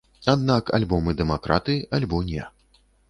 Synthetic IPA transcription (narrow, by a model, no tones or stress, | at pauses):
ad̪naka̰lʲbɔmɨd̪ɛmakɾʔa̰t̪ɨʔalʲbɔnʲɛ